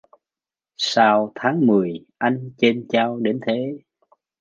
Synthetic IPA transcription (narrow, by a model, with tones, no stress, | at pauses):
saː˧wt̪ʰaː˨˦ŋmɨ˨˩əjʔa˧jŋ̟t͡ɕe˧nt͡ɕaː˧wɗe˨˦nt̪ʰe˨˦